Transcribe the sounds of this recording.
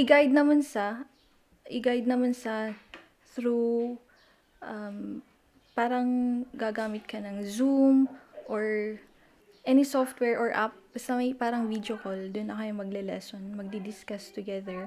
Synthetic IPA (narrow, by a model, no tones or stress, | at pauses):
ʔɪɡajd̪̚nɐmɐnsɐ | ʔɪɡajd̪̚nɐmɐnsɐ | θɾu | ʔɐm | paːɾɐŋɡaɡaːmɪt̪̚kɐnɐŋzumʔoɹ | ʔɛnisoft̪wɛɹʔoɹʔap̚sɐmɐjpaːɾɐŋvid̪okold̪ʊnʔɐkɐjʊŋmɐɡ̚lɛlɛ̰sonmɐɡ̚d̪id̪ɪskɐst̪ʊɡɛðɛɹ